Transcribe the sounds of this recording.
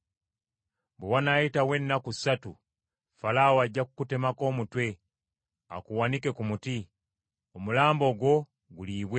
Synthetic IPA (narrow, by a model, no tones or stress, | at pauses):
bwewanajitawe̞nːakusatu | falawaɟːakukute̞mako̞ːmutwe̞ | a̰kuwanike̞kumuti | omulaːmbo̞ɡwo̞ | ɡuliːβwe